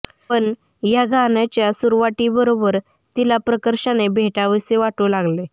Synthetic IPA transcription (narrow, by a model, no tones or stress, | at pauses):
pəɳ | jaɡʱanat͡ɕjasuɾʋaʈiːbəɾobəɾ | t̪ilapɾəkəɾɕanebʱeʈaʋiseʋaʈulaɡle